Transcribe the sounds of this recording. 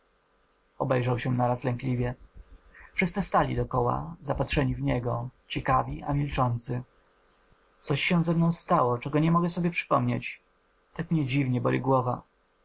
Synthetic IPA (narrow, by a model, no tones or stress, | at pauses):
ɔ̰bɛjʐawɕɛnaɾaslɛŋklʲivʲjɛ | fʂɘst̪sɘst̪alʲḭd̪ɔkɔwa̰zapatʂɛɲivɲɛɡɔt͡ɕɛkavʲia̰mʲilt͡ʂɔnt̪sɘ | t̪sɔɕːɛw̃zɛmnɔ̃w̃st̪awɔt͡ʂɛɡɔɲɛmɔɡɛsɔbʲjɛpʂɘ̥pɔmɲet͡ɕ | t̪akmɲɛd͡ʑivɲɛbɔ̰lʲḭɡwɔva